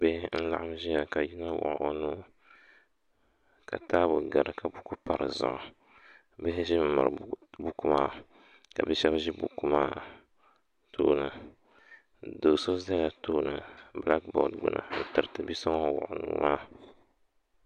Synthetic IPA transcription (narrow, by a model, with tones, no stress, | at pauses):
bɛ˦hn̩˦la̰˦ʔa˦mʒi˦ja˨ka˨ji˦na˦wʊ̰˨ʔʊ˨ʔo˦nuː˦ | ka̰˨taː˦bʊ˨ɡa˨ɾɨ˨ka˨bu˦ku˦pa˨ɾɨ̰˨zʊ̰˨ʔʊ˨ | bɛ˦hɪ˦ʒɪ˦m̩˦ma̰˨bu˦ku˦maː˦ | ka̰˨bɛ˦ʃɛ˦bʒi˦bu˨ku˦maː˦ | tʰoː˦nɨ˨ | doː˨so˦za˦ja˨toː˦nɨ˨bla˦k̚bɔ̰˨dɡ͡bʊ̰˨nʔa̰˨n̩˦˨tɨ˨ɾɨ˨tɨ˨bi˦sɔ˦ŋ˦˨wʊ̰˨ʔʊ˨nṵː˨maː˦